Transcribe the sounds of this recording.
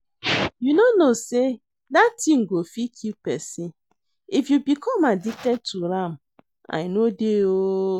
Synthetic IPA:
junonose | datiŋ̩ɡofikʰipɛsi | ifjubikʰɔmadik̚tɛd̚tuɾam̩ | a̰ɪnodeo

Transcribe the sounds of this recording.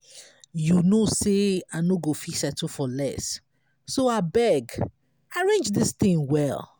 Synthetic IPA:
junoseanoɡofisɛtʰfɔlɛ̰sː | oabɛɡ | aɹẽnd͡ʒðist̪ĩŋwɛl

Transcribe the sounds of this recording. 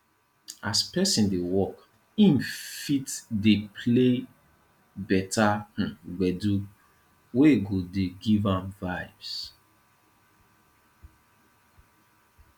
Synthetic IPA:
aspɛsĩndewɔk | ĩnfitdepʰle | bɛtah̩ɡ͡bɛdu | weɡodeɡivãmvaɪvs

